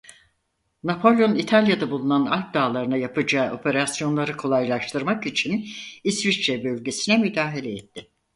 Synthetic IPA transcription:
napʰo̞lʲjonit̪ʰalʲjad̪abulˠunana̰lʲk̚d̪aːlˠaɾɯnajapʰɯd͡ʒaːo̞pʰe̞ɾasjo̞nlˠaɾɯkʰo̞lˠajlˠaʃt̪ʰɯɾmakit͡ʃʰinisvit͡ʃːɛbø̞lʲɟe̞sinɛmyd̪aːɦelʲɛɛt̪ʰːɪ

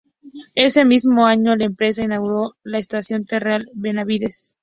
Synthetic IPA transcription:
e̞se̞mizmo̞aɲo̞laempɾe̞s̬ainaɣuɾo̞laest̪asjo̞nt̪erealβenaβiðe̞s

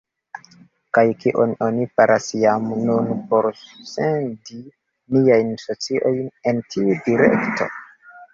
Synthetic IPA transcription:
kajkiʔo̞no̞nipaɾʔasjamnunpo̞ɾsendi | niajnsot͡siʔo̞jnentʰiudiɾḛktʰo̞̰

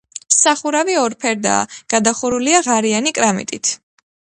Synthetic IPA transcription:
msaχuɾaviɔɾpʰɛɾd̪a̰ːɡ̥ad̪aχuɾuliaʁaɾianikʼɾamḭt̪ʼit̪ʰ

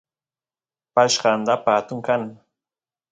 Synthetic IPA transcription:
paʃɢɑːnd̪apaːt̪ʊŋkan

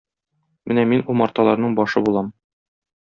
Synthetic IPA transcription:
mɘnæminumɑɾt̪ɑlˠɑɾnɤɴbɒʃɤbulˠɑm

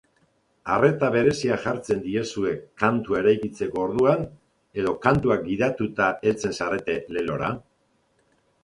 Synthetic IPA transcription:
are̞t̪aβe̞ɾe̞siaʝaɾt͡se̞nd̪ie̞sue̞kant̪ue̞ɾajkit͡se̞ko̞ːɾðuan | e̞ðo̞kant̪uak̚ɡiðat̪ut̪ae̞lt͡se̞nsaɾe̞t̪e̞le̞lo̞̰ɾa̰

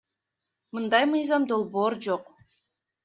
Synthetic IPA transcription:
mɯnd̪ɑjmɯjzɑmd̪o̞lˠbo̞ːɾd͡ʒoq

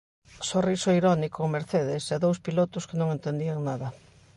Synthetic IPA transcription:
sorisoiɾɔnikomeɾθeðɪsɛðowspilot̪ʊskenõŋent̪end̪iaŋnaðɐ

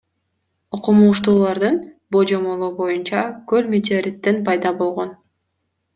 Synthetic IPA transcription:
oqumuːʃt̪uːlˠɑɾd̪ɯnbod͡ʒo̞mo̞lˠoːbo̞junt͡ʃɑkølmʲet̪ʲoɾʲit̪ːenpɑjd̪ɑbo̞lˠʁo̞n

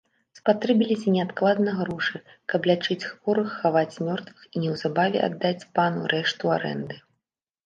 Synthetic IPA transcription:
spat̪ɾɛbʲilʲisʲɐnʲɛat̪klˠad̪nɐɣɾuʂɨ | kɐplʲat͡ʂɨt͡sʲxvɔɾɨxːavat͡sʲmʲɔrt̪vɨxinʲɛwzabavʲɛ̰a̰d̪ːat͡sʲpanṵɾɛʂt̪ua̰ɾɛ̰nd̪ɨ

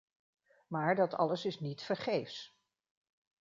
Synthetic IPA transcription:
maːɹdɑtɑ̰ləsɪsnitfəɹχejfs

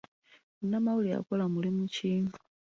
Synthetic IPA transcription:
unamaulia̰kɔlamulimut͡ʃʰi

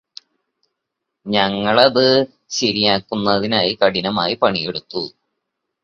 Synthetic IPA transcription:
ɲɐŋːɐɭɐðɨ | ɕɐɾijaːkːunːɐðinaːjikɐɽinɐmaːjipɐɳijeɽut̪ːu

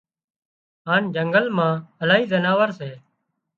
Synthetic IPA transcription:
ɦaːnd͡ʒəŋɡəlmãːəlaːɦiːzənaːʋəɾseː

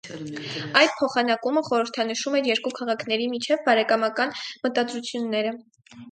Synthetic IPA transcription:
ɑjd̪̚pʰɔχɑnɑkuməχɔɾəɾt̪ʰɑnəʃumɛɾjɛɾkukʰɑʁɑkʰn̪ɛɾimit͡ʃʰɛvbɑɾɛkɑmɑkɑnmət̪ɑd̪ɾut͡sʰjunːɛɾə

